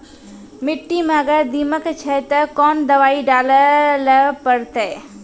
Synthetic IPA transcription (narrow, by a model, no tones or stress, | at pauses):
mɪʈːimẽɐɡəɾd̪iməkt͡ʃʰɛt̪əkɔːnd̪ɐʋaːiɖaːlələpəɾt̪ɛ